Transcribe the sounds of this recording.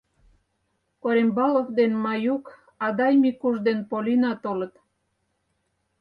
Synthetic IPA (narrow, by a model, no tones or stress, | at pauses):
koɾembɑlovd̪enmɑjuk | ɑd̪ɑjmikuʒd̪enpolinɑt̪olə̆t̪